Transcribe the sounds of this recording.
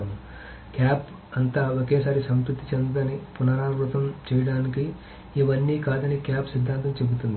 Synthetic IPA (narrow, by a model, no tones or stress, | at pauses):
mu | kjaːp | ɐnt̪aːokeːsaːɾisɐmpɾut̪ːit͡ʃend̪ud̪ɐnipunaɾaːɾɾɐt̪ɐmt͡ʃɛːjɐɽaːnikiː | ʋɐnːiːkaːd̪ɐnikjaːpsid̪ʱːaːnt̪ɐmt͡ʃe̞but̪und̪